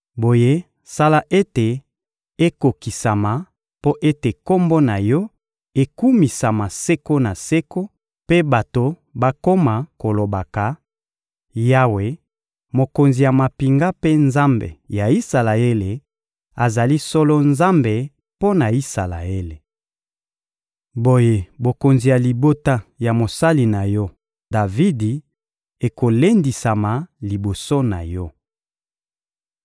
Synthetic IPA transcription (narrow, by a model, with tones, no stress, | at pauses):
bo˨je˦ | sa˦la˦ʔe˦te˨ | e˦ko˨ki˨sa˨ma˨ | po˦ʔe˦te˨ko˦mbo˦na˨jɔ˦ | e˦ku˦mi˨sa˨ma˨se˦ko˦na˨se˦ko˦ | pe˦ba˨to˨ | ba˦ko˦ma˨ko˨lo˨ba˨ka˨ | ja˦we˨ | mo˨ko˨nzi˨ja˨ma˨pi˨ŋɡa˦pe˦nza˦mbḛ˨ja˨i˦sa˨la˨e˦le˨ | a˨za˨li˦sɔ˦lɔ˦nza˦mbe˨ | po˦na˨i˦sa˨la̰˨e˦le˨ | bo˦je˦bo˨ko˨nzi˨ja˨li˨bo˦ta˦ja˨mo˨sa˦li˨na˨jɔ˦ | d̥a˨vi˦di˨ | e˨ko˨le˦ndi˨sa˨ma˨li˨bo˨so˦na˨jɔ˦